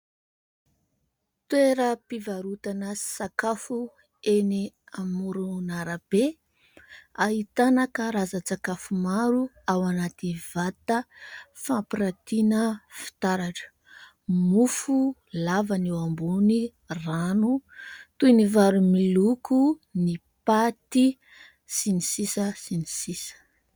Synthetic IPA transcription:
t̪weɾəpivaɾut̪anəsakafu | eni | amuɾunaɾab̥e | aɦit̪anakəɾazət͡sakafumaɾu | awanat̪iv̥at̪əfampiɾat̪inəfi̥t̪aɾaʈ͡ʂə̥ | mufu | lavanewambuni | ranut̪univaɾumilukuni | pat̪i | sinisisəsinisisə̥

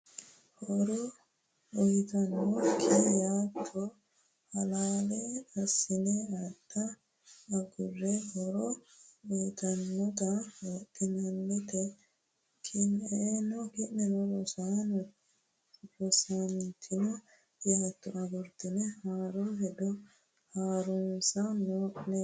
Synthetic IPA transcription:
hɔɾɔ | ɔjt̪ɐnːɔkʰejaːt̪ʰːɔ | hɐlaːlɛɐsːɪnɛɐt̪ːɐː | ɡʊrːɛhɔɾɔɔjt̪ɐnːɔt̪ɐt̪ʼːɪnɐnːɛt̪ɛ | kʰɪneːnɔkɪnːɛnɔlɔsanɔ | bɔsamt̪ʰːɪnɔ | jat̪ːɔʔɐɡʊɾt̪ɪnɛhaːɾɔɦɛd̪ɔ | haːɾʊnsɐnoːʔnɛ

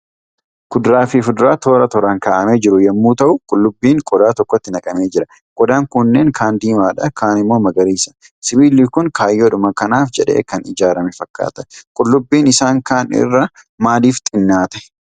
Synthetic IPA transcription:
kʊd̪ɾaːfɪfʊd̪ʊɾaːt̪o̞ːɾɐt̪ɔɾaːŋkaːʔɐmeːd͡ʒɪɾʊjɛmːuːt̪ɐʔʊkʼʊlːʊbːiːŋkʼɔd̪aːt̪ɔkːɔt̪ːɪnɐkʼɐme̞ːd͡ʒɪɾɐ | kʼɔd̪aːŋkʊnːeːŋkʰaːnd̪iːmaːᶑɐkʰaːnɪmːo̞ːmɐɡɐɾiːsɐ̥ | sɪbiːlikʊŋkʰaːjːoᶑʊmɐkɐnaːfd͡ʒɛᶑḛːkɐnɪd͡ʒaːɾɐmɛfɐkːa̰ːt̪ɐkʼʊlːʊbːiːnɪsaːŋkaːnɪ̰rːɐ | maːd̪iːft̪ʼɪnːaːt̪ɛ̥

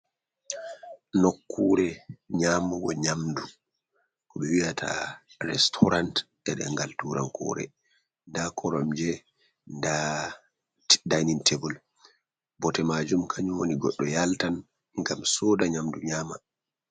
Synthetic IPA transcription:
nokʰːuːɾɛɲaːmuɡɔɲamdu | kɔɓɛwiatʰa̰ɾɛstʰɔɾant | ɛɗɛ̰ŋɡaltuɾankʰɔ̰ɾɛ̰ | ndakʰɔɾɔmd͡ʒɛ | nda | dajnintʰɛbɔl | bɔtɛmad͡ʒumkʰaɲwoniɡɔɗːɔjaltan | ŋɡamsɔːdaɲamduɲaːma

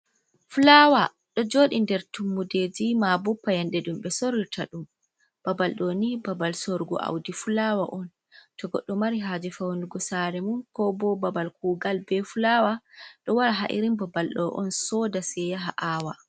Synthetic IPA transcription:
fulawa | ɗɔd͡ʒoːɗindɛɾtumːuded͡ʒimabɔpːajɛnɗɛɗumɓɛsoɾitʰaɗum | b̥abalɗonibabalsoɾɡɔ̰ʔa̰wdifulawaʔɔn | tɔɡɔɗːɔmaɾiɦad͡ʒifawnduɡɔsaɾɛmunkɔbɔbabalkuːɡalbɛfulawaɗɔwaɾaɦaʔḭɾimbabalɗɔʔɔ̰nsɔdasɛjaɦaʔaːwa

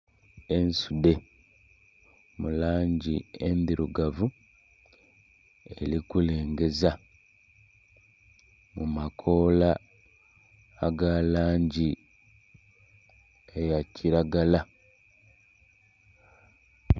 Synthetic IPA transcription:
ensude̞ | mulaːɲɟiendiɾuɡavu | e̞̰likule̞ːŋɡe̞za | mumakʰo̞ːla | ɡalaːɲɟi | ejacʰiɾaɡala

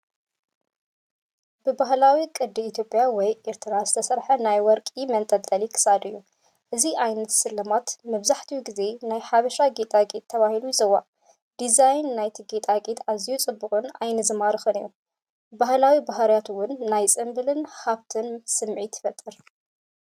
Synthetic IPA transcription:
bɨbahlawikʼɨd̪iit̪jo̞pʼjawɔjʔeɾt̪ʰɨɾazɨt̪ʰɐsɐɾħɐnajwɔɾkʼimɐnt̪ʼɐt̪ʼːɐlikʰɨ̥sad̪ɨjːu | ʔɨziʔajnɐt̪sɨlːɐmat̪mɐβzaħt̪ʰijuɡize̞najħaβɐʃaɡet̪ʼaɡʼet̪ʰːɐβahilujɪzɨwa | d̪̥izajnːajt̪ʰiɡet̪ʼaɡʼet̪azijut͡sʼɨbːɨkʼɨna̰jnɨzɨmaɾɨxɨnɨjːu | bahlawibaɦɾjat̪wʊnːajt͡sʼɨmbɨlɨnhaβt̪ʰɨnsɨmʕit̪ʰɨ̥fɐt̪ʼːɨɾ

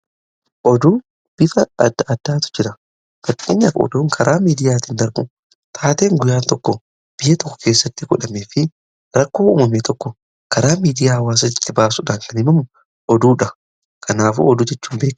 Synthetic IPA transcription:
ʔɔd̪ʊ | b̥ɪfɐɐd̪ːɐʔɐd̪ːaːt̪ʊ̥d͡ʒɪɾɐ | fɐkʼːḛːɲːɐkɔ̰d̪oːŋkʰɐɾʔaːmiːd̪ɪjaːt̪ɪnd̪ɐɾbʊ̰ | t̪ʰaːt̪e̞ːŋɡʊjaːnt̪ɔkːɔ | b̥ɪjɐt̪ɔkːɔ̥keːsːɐt̪ːɪɡɔᶑɐmeːfɪ | ɾɐkːo̞ːṵːmɐmet̪ʰɔkːɔ | kʰɐɾaːmiːd̪ɪjaːɐwaːs̬ɐt̪ɪt̪ːɪbaːsʊᶑaːŋkɐnɪmɐmʊ | ʔɔd̪uːᶑɐ | kʰɐnaːfṵɔd̪ʊd͡ʒɛt͡ʃːuːmbe̞ːk

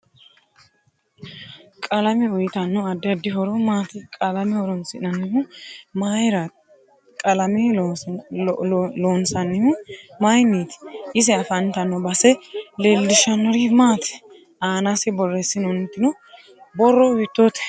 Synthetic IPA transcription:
kʼɐlɐmɛʊjɪt̪ɐnːɔɐd̪ːɪɐd̪ːɪɦɔɾɔmaːt̪ɪkʼɐlɐmɛhɔɾɔnsɪnɐnːɪmʊmajɾɐ | kʼɐlɐmɪ | loːnsɐnːɪmʊmajnːiːt̪ɪ̥ʔɪs̬ɛɐfɐnt̪ɐnːɔbɐsɛleːlːɪʃɐnːɔɾimaːt̪ɪ̥ | aːnasɪbɔrːɛsːɪnɔnɛt̪ːɪnɔ | bɔrɔwɪt̪ːoːt̪ɛ̥

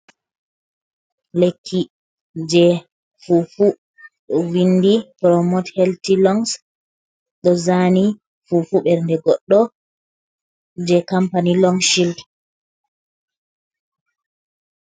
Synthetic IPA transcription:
lekʰːi | d͡ʒɛ | fufu | ɗɔwinːdipɾɔmɔthɛltilɔŋs | ɗɔzaːni | fufuɓɛɾndɛɡɔɗːɔ | d͡ʒɛkampanilɔŋʃild

